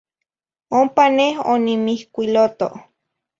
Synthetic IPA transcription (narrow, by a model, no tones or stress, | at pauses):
ompanehonimihkʷilot̪o̰ʔ